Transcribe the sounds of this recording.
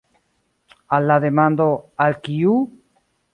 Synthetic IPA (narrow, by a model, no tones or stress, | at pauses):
alːaðemãnd̪oalkiu